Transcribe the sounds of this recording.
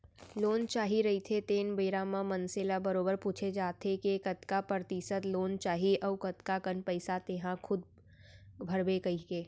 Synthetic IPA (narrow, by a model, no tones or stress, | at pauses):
loːnt͡ʃaːɦiɾɐɦit̪ʰet̪eːnbəːɾaːmãmənseːlabəɾoːbəɾpuːt͡ʃʰed͡ʒaːt̪ekekɐt̪kapɾɾət̪iːsət̪loːnt͡ʃaːɦiʔɐʋkɐt̪kakənpəɪsat̪eːɦãkʰʊd̪̚ | bʱɐɾbekɐikeː